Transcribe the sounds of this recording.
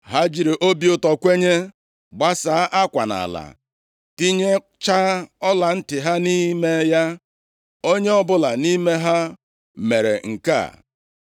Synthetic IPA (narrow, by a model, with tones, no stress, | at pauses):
ɦa˦d͡ʒi˨ɾi˨ʔo˦bi˦ʊ˦tɔ˨kʷe˦ɲe˦ | ɡ͡ba˦saː˨˦ʔa˦kʷa˨na̰˨la̰˨ | ti˦ɲe˦ | t͡ʃa˦ɔ˦la˨n̩˦tɪ˨ɦa˦ni˦me˦ja˦ | o˦ɲe˦ɔ˦bʊ˦la˨ni˦me˦ɦa˦ | me˨ɾḛ˨ŋ̩˨ka̰˦˨